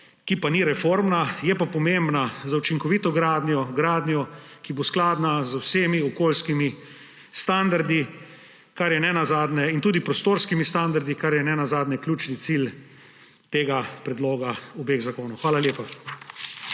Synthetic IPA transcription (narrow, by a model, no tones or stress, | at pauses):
kipaniɾɛfoːɾmnajɛpapɔmembnazawt͡ʃiŋkɔʋit̪ɔɡɾaːd̪njɔɡɾaːd̪njɔkibosklaːd̪nazwseːmiɔkoːlskimi | st̪and̪aɾd̪i | kaɾjɛnɛnazaːd̪nɛint̪uːd̪ipɾɔst̪oːɾskimist̪and̪aɾd̪ikaɾjɛnɛnazaːd̪nɛklʲuːt͡ʃnit̪sil | t̪eːɡapɾɛd̪loːɡaubeːɣzakoːnɔwxʋaːlaljeːpa